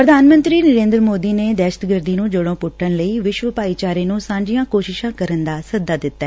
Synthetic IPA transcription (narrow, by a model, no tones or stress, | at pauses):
pɾəd̪ʱaːnmə̃nt̪ɾiːnəɾẽːnd̪ɾəmoːd̪iːneːd̪ɛːʃət̪ɡəɾd̪iːnũːd͡ʒoɽõːpʊʈʰːənləiːʋɪʃʋəpaːiːt͡ʃaːɾeːnũːsãːɲd͡ʒɪjãːkoːʃɪʃãːkəɾənd̪aːsəd̪aːd̪ɪt̪ːaɛː